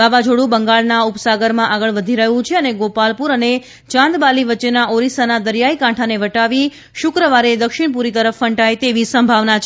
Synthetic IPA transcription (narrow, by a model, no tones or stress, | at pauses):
aʋad͡ʒʱoɽũbəŋɡaɭnaupsaɡəɾmãʔaɡəɭʋəd̪ʱiɾəɦũt͡ʃʰeəneɡopalpuɾəne | t͡ʃãnd̪baliʋətːt͡ʃːenaʔoɾisanad̪əɾjaikãʈʰaneʋəʈaʋi | ʃʊkɾəʋaɾed̪əkʃiɳp̬uɾit̪əɾəfːəɳʈajt̪eʋisəmbʱaʋnat͡ʃʰ